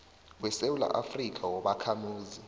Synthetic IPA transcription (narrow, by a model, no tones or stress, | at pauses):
wɛsewula̰ʔafrik̬ʼawɔɓakʰamuːzi